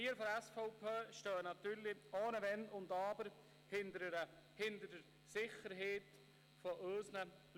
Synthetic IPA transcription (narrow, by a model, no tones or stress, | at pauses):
iːəɾfɔɾɛsfɔʊpʰeːʃtœːənɑt̪yːɾlioːnəʋɛnʊnd̪ɑːbəɾ | hɪndəɾ | hɪnt̪ədəɾ | sɪχəɾɦeːt | fɔʔøːsnə | l